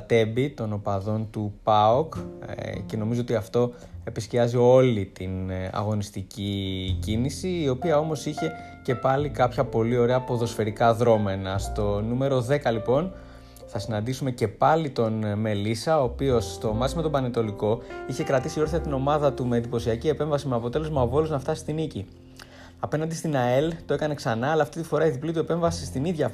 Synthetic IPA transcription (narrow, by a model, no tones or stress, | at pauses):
ɐt̪e̞bit̪o̞no̞pɐðo̞nt̪upɐok | ce̞no̞mizo̞o̞t̪iɐft̪o̞ | e̞pisciɐzio̞lit̪inɐ̰ɣo̞nist̪icicinisiːo̞piɐo̞mo̞siçe̞ | ce̞pɐlikɐpçɐpo̞lio̞ɾe̞ɐpo̞ðo̞sfe̞ɾikɐðɾo̞me̞nɐst̪o̞nume̞ɾo̞ðe̞kɐlipo̞n | θɐsinɐnd̪isume̞ce̞pɐlit̪o̞nme̞lisɐoːpio̞sːt̪o̞mɐt͡sime̞t̪obɐnet̪o̞liko̞içe̞kɾɐt̪isioɾθɐɐt̪ino̞mɐðɐt̪umeːnd̪ipo̞siɐcie̞pe̞ɱvɐsimeɐpo̞t̪e̞lozmɐvo̞luznɐft̪ɐsist̪inici | ɐpe̞nɐnd̪ist̪inɐelt̪o̞e̞kɐne̞ksɐnɐːlɐːft̪it̪ifo̞ɾɐiðiplit̪ue̞pe̞ɱvɐsist̪iniðʝɐ